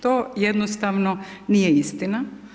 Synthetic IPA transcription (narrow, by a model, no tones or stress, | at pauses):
t̪oːjɛd̪nost̪aʋnonijɛist̪ina